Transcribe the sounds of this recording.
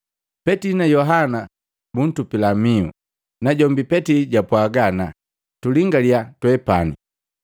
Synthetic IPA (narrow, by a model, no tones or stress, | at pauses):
pɛtinajɔɦana | bun̩tupilamiṵ | naɟɔmbipɛtiɟapwaɡana | tuliŋɡaliatwɛpanḭ